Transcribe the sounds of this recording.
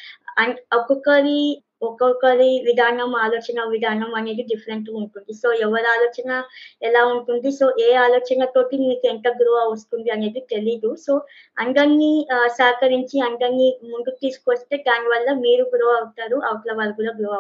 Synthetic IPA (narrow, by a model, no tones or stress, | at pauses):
ɐɐkɔkɐɾi | ɔkɐkɐɾiʋid̪ʱaːnɐmaːloːt͡ʃɐnɐʋid̪ʱaːnɐmɐne̞ːd̪iɖipʰɐɾe̞ɳʈuɳʈund̪iso̞ːɛʋːɐɾaːloːt͡ʃɐnɐɛlaːuɳʈund̪iso̞ːʔeːaːloːt͡ʃɐnɐt̪o̞ːʈimiːkuɛɳʈɐɡɾuʋaːɐst̪und̪iɐne̞ːd̪it̪e̞liːd̪uso̞ː | ɐŋɡɐnːisaːkɐɾiɲt͡ʃiɐŋɡɐnːimund̪ut̪iːsu̥kuʋɐst̪e̞ːd̪aːniʋɐlːɐmiːɾuɡuɾuʋawut̪aːɾuʔɐʋɐkɐlɐʋaːlɐɡuːɽaːɡɾuʋa